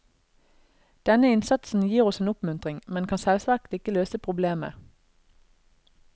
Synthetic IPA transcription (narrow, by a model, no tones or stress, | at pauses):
d̪̥ɛnəɪnsɑt̪sn̩jiːʁɔseːnʊpmʉnt̪ʁɪŋmɛnkʰɑnsɛlsʋɑːkt̪ɪkəløːsəpʰʁʊbleːmə̰